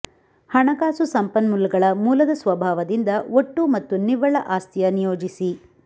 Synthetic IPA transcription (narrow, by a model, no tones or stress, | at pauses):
hɐɳɐɡaːsusɐmpɐnmulːuɡɐɭɐmuːlɐd̪ɐsʋɐbʱaːʋɐd̪ind̪ɐoʈːumɐt̪ːuniʋɐɭɐʔaːst̪ʰijɐnijoːd͡ʒisi